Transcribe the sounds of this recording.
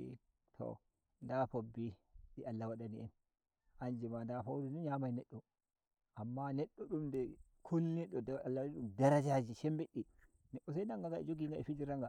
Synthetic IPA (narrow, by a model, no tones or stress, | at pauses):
tʰɔ̰ | ndapobːiɗialːawaɗaniɛn | ʔand͡ʒimandafawdiniɲamajnɛɗːɔ | ʔamːanɛɗːɔɗumdɛkʰɔlnɛɗːɔdalːawiɗumdaɾad͡ʒad͡ʒiʃɛmbeɗi | nɛɗːɔs̬ajnaŋɡaɡaḭd͡ʒoɡiŋɡaʔɛfid͡ʒiɾaŋɡa